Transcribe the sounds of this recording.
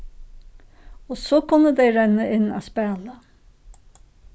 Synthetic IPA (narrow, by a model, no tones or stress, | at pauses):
osoːkʰʊnːəd̪ɛɪɾɛnːəʔɪnːæ̰spæːlə